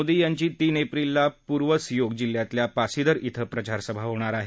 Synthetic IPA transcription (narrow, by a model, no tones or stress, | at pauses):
od̪ijaɲt͡ɕiːt̪iːnepɾilːapuɾʋəsjoɡd͡ʑilːjat̪ljapasid̪əɾit̪ʰəpɾət͡ɕaɾsəbʱaɦoɽ̃aɾaɦe